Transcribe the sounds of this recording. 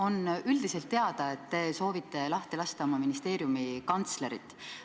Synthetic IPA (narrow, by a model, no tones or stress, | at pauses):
o̞nyld̪ise̞lt̪ːe̞ɑd̪̥ɑe̞t̪ːe̞so̞ːvit̪ːe̞lɑht̪elɑst̪ɑomɑminist̪e̞ːɾjumikɑnt̪sle̞ɾit̪ːˑ